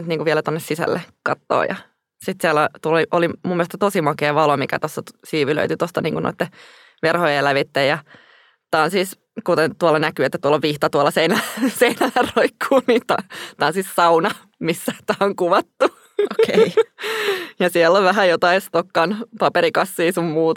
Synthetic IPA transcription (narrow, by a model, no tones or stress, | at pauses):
nyt̪niːŋkuʋiɛlæt̪onːesisæ̰lːḛkɑt̪ːo̰ːjɑ̰ | sit̪siɛlæt̪uoliʔolimumːielst̪ɑt̪osimɑkeːʋɑlomikæ̰t̪osːɑsiːʋylø̰yt̪yt̪ost̪ɑniːŋkuno̰it̪ːe | ʋerhojelæʋit̪ːejɑ | t̪ɑnsis | kut̪ent̪uolːɑnækyet̪ːæt̪uoloʋʋiht̪ɑt̪uɑlːɑseinæseinælːæroikʰːuːniːnt̪ɑt̪ɑnsissɑunɑ | misːæt̪æːoŋkuʋɑt̪ːu | oke | jɑsiɛlːoʋʋæɦæjot̪ɑist̪okːɑnpɑpeɾikɑsːiːsummuːt̪